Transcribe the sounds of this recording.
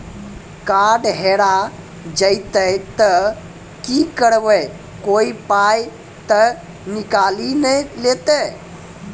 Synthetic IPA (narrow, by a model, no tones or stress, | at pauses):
kaːɖɦeːɽa | d͡ʒəɪt̪ət̪ə | kiːkəɽʋə | koːipaːj | t̪ə | nɪkaːlinəleːt̪ə